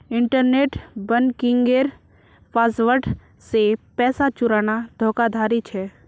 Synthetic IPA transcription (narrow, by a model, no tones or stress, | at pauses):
ɪ̃ɳʈəɾneːʈbənkɪ̃ŋɡeːɾ | paːsʋəʈ | sepɛːsat͡ʃʊɾaːnad̪ʱoːkad̪ʱaːɾit͡ʃʰɛː